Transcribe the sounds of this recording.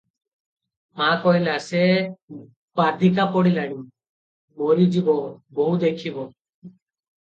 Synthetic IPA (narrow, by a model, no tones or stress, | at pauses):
mãkɔɦilase | b̥ad̪ʱikapɔɽilaɽ̃i | bɔɾid͡ʒibɔbɔɦud̪ekʰibɔ